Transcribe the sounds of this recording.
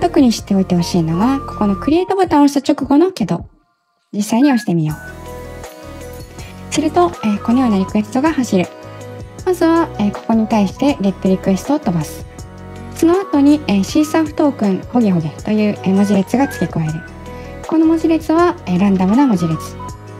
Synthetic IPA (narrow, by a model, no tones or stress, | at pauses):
t̪o̞kɯ̟ɲ̟iɕi̥t̪ːeo̞it̪e̞ho̞ɕiːno̞ɡako̞̥ko̞no̞kɯ̟ɾʲie̞ːt̪obat̪ãõɕit̪at͡ɕo̞kɯ̟ɡo̞no̞kʲed̪o̞ | d͡ʑisːaiɲ̟io̞ɕi̥t̪e̞mʲijo̞ː | sɨɾɯ̟t̪o̞eko̞ɲo̞ːnaɾʲikɯ̟e̞sɨ̥t̪o̞ɡahaɕiɾɯ̟ | mazɨβaeko̞̥ko̞ɲ̟it̪aiɕi̥t̪e̞ɾʲep̪ːɯɾʲikɯ̟e̞st̪ot̪o̞basɨ̥ | so̞no̞at̪o̞ɲ̟ieɕiːsaɸɯ̟̥t̪o̞ːkɯ̟̃nho̞ɡʲeɦo̞ɡet̪o̞jɯ̟ːmo̞ʑiɾe̞t͡sɨɡat͡sɨ̥kʲekoeɾɯ̟ | ko̞no̞moʑiɾe̞t͡sɨβaeɾãnd̪amɯ̟namo̞ʑiɾe̞t͡sɨ̥